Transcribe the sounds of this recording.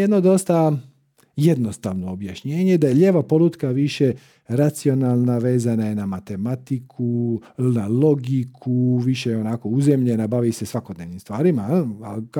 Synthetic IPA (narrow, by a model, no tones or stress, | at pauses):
jed̪no̞d̪o̞st̪a | jed̪no̞st̪a̰ʋno̞ːbjaʃɲe̞ːɲed̪ajeʎe̞ːʋapo̞lut̪kaʋiʃe̞ | ɾat̪sio̞nalˠnaʋe̞ːzanajenamat̪e̞mat̪ikʰunalo̞ɡikʰuʋiʃejo̞nako̞uzemʎe̞nabaʋise̞sʋako̞d̪ne̞ʋnimst̪ʋaːɾimaa